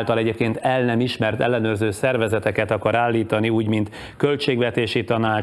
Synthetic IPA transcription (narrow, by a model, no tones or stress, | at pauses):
lt̪ɒlɛɟeːp̚keːnt̪ɛlnɛmiʃmɛrt̪ɛ̰lːɛnøːrzøːsɛrvɛzɛt̪ɛkɛt̪ɒkɒɾaːlːiːt̪ɒniuːɟmint̪ | kølt͡ʃeːɡʋɛt̪eːʃit̪ɒnaː